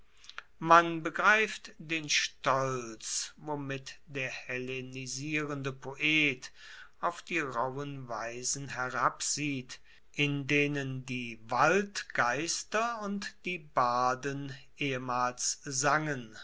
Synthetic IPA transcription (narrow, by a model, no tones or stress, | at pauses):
manbəɡʁaɪftd̥eːnʃtɔlt͡svomɪtd̥eːɐheleniziːʁəndəpʰoʔeːt | aʊfd̥iːʁawənvaɪzn̩hɛʁapz̥iːt | ʔɪndeːnəndiːvaltɡ̥aɪstɐʊntd̥iːbaːdənʔeːəmaːlszaŋən